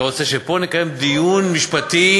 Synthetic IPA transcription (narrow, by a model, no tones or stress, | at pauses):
ot͡seʃepo̞nikajemd̪ijunmiʃpat̪i